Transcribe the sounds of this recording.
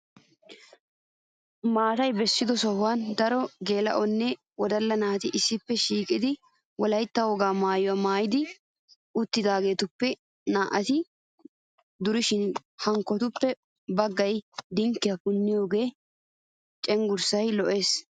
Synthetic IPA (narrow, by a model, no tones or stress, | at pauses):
maːt̪ɐjbɛsːɪd̪ɔsɔhʊwand̪ɐɾɔɡe̞ːlɐ̰ʔɔnːɛ | wɔd̪ɐlːɐnaːt̪ɪʔɪsːɪpːɛʃiːkʼɪd̪ɪ | wɔlɐjt̪ːɐwɔɡaːmaːjɔwamaːjɪd̪ɪ | ʊt̪ːɪd̪aːɡe̞ːt̪ʊpːɛ | naːʔɐt̪ɪ | d̪ʊɾɪʃɪnhɐŋkːɔt̪ʊpːɛ | bɐɡːɐjd̪ɪŋkːɪjɐkʊnːɪjo̞ːɡe̞ː | t͡ʃʼɛŋɡʊɾsɐjlɔʔe̞ːs